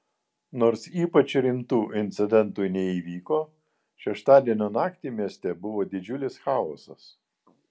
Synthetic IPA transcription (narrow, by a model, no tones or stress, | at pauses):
noːɾsiːpɐt͡ʃʲɾʲɪmt̪uːʔɪnʲt̪sʲɪd̪ʲɛnˑt̪uɪnʲɛiːʋʲiːkoː | ʃʲɛʃt̪ɑːd̪ʲiɛnʲoːnɑːkt̪ʲimʲiɛsʲt̪ʲɛbʊʋoːd̪ʲɪd͡ʒʲʊlʲɪsxɑːo̰ːsɐs